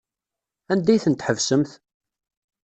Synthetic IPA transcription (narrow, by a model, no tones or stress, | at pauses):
ænd̪æjθənt̪ħəvsəmθ